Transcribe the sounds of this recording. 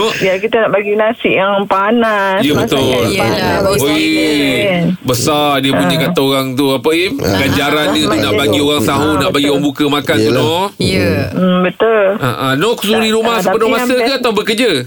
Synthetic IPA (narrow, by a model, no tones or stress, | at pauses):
nɔʔjakit̪anaʔbaɡinasɪʔjaŋpanajəbət̪ʊl | oi | bəsardiəpuɲəkat̪aoɣaŋt̪uapəiɡaɲd͡ʒaɾandiət̪unaʔbaɡioɣaŋsaɦunaʔbaɡioɣaŋbukəmakant̪unɔ | bət̪ʊlʔa̰ʔanɔksudiɾumahsəppənɔmasək̪əat̪awbəkəd͡ʒə